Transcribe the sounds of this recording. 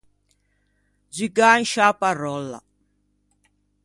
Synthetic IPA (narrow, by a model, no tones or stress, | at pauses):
d͡ʒiɡanʃaparɔlːa̰